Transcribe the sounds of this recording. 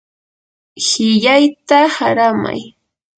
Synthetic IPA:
hɪʎajt̪ahaɾama̰j

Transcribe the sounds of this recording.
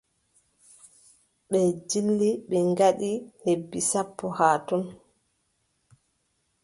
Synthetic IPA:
ɓɛd͡ʒilːiɓɛŋɡaɗihebːisapːɔhaːtɔn

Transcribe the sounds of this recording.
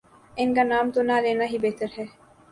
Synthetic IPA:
eŋɡanaːmt̪unaːleːnaɦibeːt̪ɐɾɦeː

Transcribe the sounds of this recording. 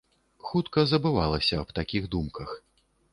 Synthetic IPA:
xut̪kɐzɐbɨvalˠɐsʲɐːbt̪akʲiɣd̪umkɐx

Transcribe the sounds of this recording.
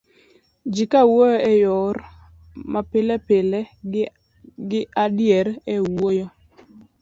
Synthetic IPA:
d͡ʒikawojɔɛjɔr | mapɪlɛpɪlɛ | ɡɪadjɛɾɛwojo

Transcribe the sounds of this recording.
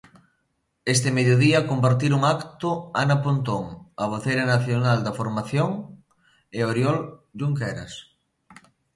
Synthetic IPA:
est̪ɪmeðjoðiɐkompaɾt̪iɾuŋakt̪ʊanɐpont̪oŋɐβ̞oθejɾɐnaθjonald̪ɐfoɾmaθjoŋ | ɪoɾjɔld͡ʒuŋkɛɾɐ̰s

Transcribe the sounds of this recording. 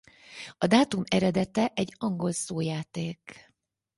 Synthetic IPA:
ɒd̪aːt̪umɛɾɛd̪ɛt̪ɛʔɛɟːɒŋɡo̞lsoːjaːt̪eːk

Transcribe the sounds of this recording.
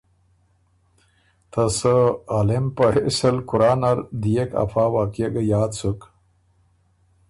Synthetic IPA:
t̪ʰɐsəalempɐɦesɐlkuɾaːnaɾd̪ijekʰa̰faːwaːkjeɡəjaːt̪t͡suk

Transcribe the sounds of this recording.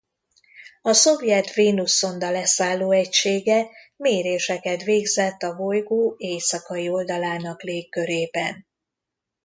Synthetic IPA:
ɒso̞vjɛt̪veːnusːo̞nd̪ɒlɛsaːlːoːɛcʃeːɡɛ | meːɾeːʃɛkɛt̪veːɡzɛt̪ːɒvo̞jɡoːeːsɒkɒio̞ld̪ɒlaːnɒkleːkːø̞ɾeːbɛn

